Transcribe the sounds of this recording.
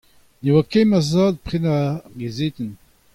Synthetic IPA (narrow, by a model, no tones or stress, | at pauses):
newakɛ̃mazaːd̪̚pχenaɡezeːt̪ən